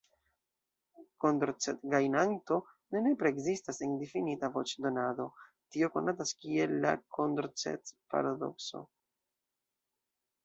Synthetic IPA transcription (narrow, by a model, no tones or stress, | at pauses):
kondɾt͡setɡajnanto̞ | nene̞pɾeːɡzistaseŋdifinitavo̞t͡ʃdo̞nado̞ | tio̞ko̞̰nataskie̞lːa̰kʰo̞ndɾt͡sḛt͡spa̰ɾado̞̰kso̞̰